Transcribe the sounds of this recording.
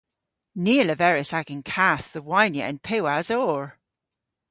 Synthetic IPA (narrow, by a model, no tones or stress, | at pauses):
niːələvɛɹɪsaɡə̃nkʰaθðəwajnjə̰ʔə̰̃npʰewazɔːɹ